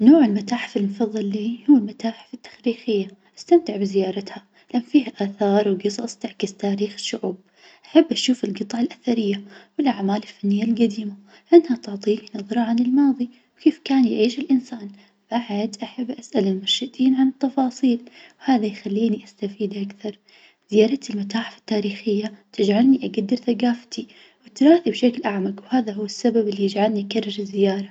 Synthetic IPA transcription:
noːʕɪlmat̪aːħfɪlmfɑðˤːɨlːiːhuwːlmat̪aːħfit̪ːḁxɾiːxɪjːaʔḁst̪amt̪ɪʕbɪzɪjɑːɾˤɑt̪ha | lʔanːfiːhaʔaːθɑːɾˤwɡɨsˤɑsˤt̪aʕkɪzt̪aːɾiːxʃʊʕuːb̚ | ʔaħabːʔaʃuːfɪlɡɨt̪ˤɑʕalʔaθaɾɪjːawɪlʔaʕmaːlɪlfanːɪjːalɡad̪iːma | ʔɪnːhat̪ʊʕt̪ˤiːknɑðˤɾˤɑʕanɪlmɑːðˤi | wkeːfkaːnjʕiːʃɪlʔɪnsaːn | b̥aʕad̪ʔaħabːʔasʔalɪmʊɾˤʃɪt̪iːnʕanɨt̪ːɑfɑːsˤiːlwhaːðajxalːiːniʔast̪afiːd̪ʔakθɑɾˤ | z̥ɪjaːɾˤɑt̪ɪlmat̪aːħɪfḁt̪ːaːɾiːxɪjːat̪ɪd͡ʒʕalniʔaɡad̪ːɪɾθaɡaːft̪ʰi | wɪt̪ɾˤɑːθibʃaklʔaʕmaɡwhaːðaɦʊwːɪsːababɪlːijɪd͡ʒʕalniʔkarˤːɪɾɪzːɪjɑːɾˤɑ

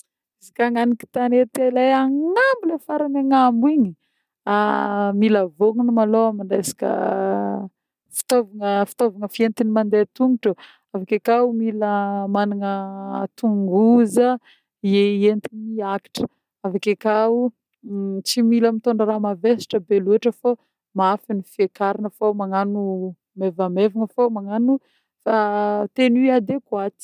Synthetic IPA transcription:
isi̥kaŋaniki̥t̪anet̪elajaŋambilefaɾanaŋambwiɲi | amiləvoŋunumaloamiɳɖ͡ʐajsi̥kə̰ | fi̥t̪ovaŋəfi̥t̪ovaŋəfient̪inimand̪et̪uŋuʈ͡ʂə | avakekaumiləmanaŋət̪uŋɡuzə | ieent̪iniaki̥ʈ͡ʂə̥ | avakekau | t͡similəmit̪oɳɖ͡ʐaɾamavesi̥ʈ͡ʂəbelueʈ͡ʂəfo | maafinifiekaɾinəfomaŋanu | mevamevaŋəfomaŋanu | fat̪eniad̪ekuat̪i̥

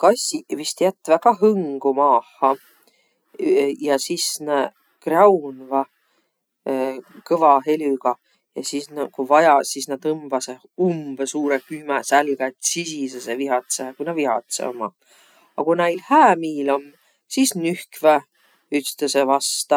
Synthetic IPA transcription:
kɑsivist̪jæt̪ːvækɑɦɤŋɡ̥umɑːhːɑ | jɑsisne | krɑwnvɑ | kɤvɑɦe̞lʲyɡ̥ɑ | jɑsisnkuvɑjɑsisnɑd̪ɤmb̥ɑse | umb̥esuːɾekymæsælɡ̥æt̪sisiseseviɦɑt̪sekujnɑvihɑt̪sḛomɑ̰ | ɑkunæjlhæːmiːlomː | sisnyhkvæ | yt̪t̪esevɑst̪ɑ

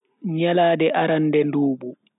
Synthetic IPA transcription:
ɲalaːdɛʔaɾanːdɛnduːbu

